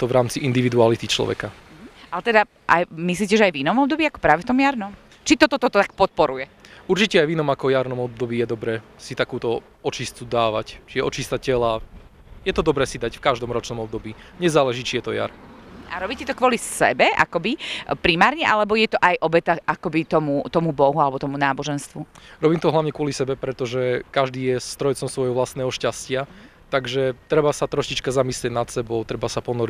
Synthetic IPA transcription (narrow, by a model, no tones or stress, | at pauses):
t̪ɔvɾaːmt͡siʔind̪iʋid̪ualit̪it͡ʃlɔ̰ʋɛ̰ka | ʔalɛt̪ɛd̪a | ʔa̰jmisliːcɛʒɛajvinɔmɔb̚d̪ɔbiːakɔ̥pɾaːʋɛft̪ɔmjaɾnɔm | t͡ʃit̪ɔt̪ɔt̪ɔt̪ɔt̪ak̚pɔt̪̚pɔɾujɛuɾt͡ʃicɛajvinɔmakɔjaɾnɔmɔb̚d̪ɔbiːjɛd̪ɔbɾɛːsit̪akuːt̪ɔ | ɔt͡ʃist͡sud̪aːʋact͡ʃijɛɔt͡ʃist̪acɛla | jɛt̪ɔd̪ɔbɾɛːsid̪acfkaʒd̪ɔmɾɔt͡ʃnɔmɔb̚d̪ɔbiːɲɛzaːlɛʒit͡ʃijɛt̪ɔja̰ɾaɾɔbiːcɛt̪ɔkwɔlisɛ̰bɛa̰kɔbipɾimaːɾɲɛʔalɛbɔjɛt̪ɔʔajʔɔbɛt̪aʔakɔbit̪ɔmut̪ɔmubɔɦualɛbɔt̪ɔmunaːbɔʒɛnst̪ʋuɾɔbiːmt̪ɔɦlaʊɲɛkʊɔlisɛbɛpɾɛt̪ɔʒɛkaʒd̪iːjɛst̪ɾɔjt͡sɔmsʋɔjɦɔʋlast̪nɛːɦɔʃcascɪa | t̪aɡʒɛt̪ɾɛbasat̪ɾɔʃit͡ʃkazamislɪɛɟnat̪sɛbɔʊt̪ɾɛbasapɔnɔɾi